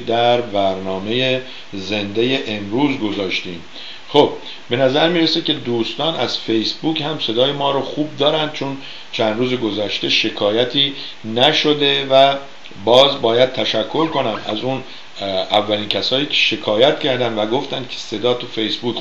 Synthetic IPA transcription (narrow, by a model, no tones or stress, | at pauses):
d̪æɾbæɾnɒːme̞je | ze̞nd̪e̞jeʔemɾuːzɡo̞zɒːʃt̪iːm | χob̚ː | e̞næzæɾmiːɾesekcʰe̞d̪uːst̪ɒːnæz̥fe̞jsbuːchæmse̞d̪ɒːjemɒːɾɔxuːb̚d̪ɒːɾænd̪̚t͡ʃʰon | t͡ʃʰænd̪ɾuːzeɡo̞zæʃt̪e̞ʃe̞kʰɒːjæt̪ʰiː | næʃo̞d̪e̞væ | bɒːzbɒːjæd̪̚t̪ʰæʃækʰːo̞ɾkʰo̞næmæ̰zun | ævːælincʰæsɒːjiːcʰe̥ʃe̞kʰɒːjæt̪cʰæɾd̪ænd̪væɡo̞ft̪ænd̪̥kʰe̥se̞d̪ɒːt̪ʰufe̞jsbuːk